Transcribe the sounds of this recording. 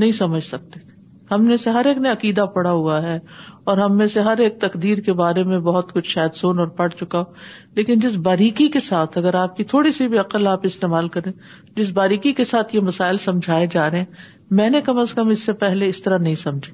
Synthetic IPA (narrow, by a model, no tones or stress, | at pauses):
nɐɦĩsɐməd͡ʒʱsɐk̚t̪et̪ʰe | hɐmnẽseɦɐɾeːkneɐqiːd̪apɐɽaɦuaɦɛɔːɾɦɐmːẽseɦɐɾeːk̚t̪ɐqd̪iːɾkebaːɾemẽbɐɦʊt̪kʊt͡ʃʰʃaːəd̪soːnɔːɾpɐɽ̤t͡ʃʊkao | leːkɪnd͡ʒɪs̬baːɾiːkikesaːt̪ʰɐɡəɾaːp̚kit̪ʰoːɽisibʱiɐqəlaːpɪst̪eːmaːlkɐɾẽː | d͡ʒɪs̬baːɾiːkikesaːt̪ʰjemɐsaːɪlsɐ̃md͡ʒʱaːed͡ʒaːɾɐɦɛ̃ | mɛ̃ːnekɐməskɐmɪsːepɛɦleɪst̪ɐɾanɐɦĩsɐ̃md͡ʒʱi̥ː